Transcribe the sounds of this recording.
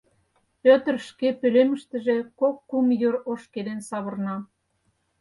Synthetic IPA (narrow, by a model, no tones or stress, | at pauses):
pøt̪ə̆rʃkepølemə̆ʃt̪ə̆ʒĕkokːumjøɾoʃked̪ensɑβɤ̆rnɑ